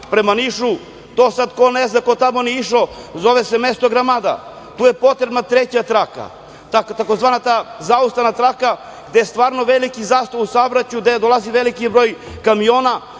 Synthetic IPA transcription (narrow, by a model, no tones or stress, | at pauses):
pɾemaniʃu | d̪osad̪koneznakot̪amoniiʃozo̞ʋesemest̪oɡɾamad̪a̰ | t̪uːje̞po̞t̪ɾebnat̪ɾet͡ɕat̪ɾaka̰ | t̪akt̪akozʋaːnat̪aːzaust̪anat̪ɾaka | ɡd̪ejest̪ʋaːɾnoʋelikizaːst̪ousabɾat͡ɕud̪ad̪olaziʋelikibɾo̞ːjkamijo̞ːna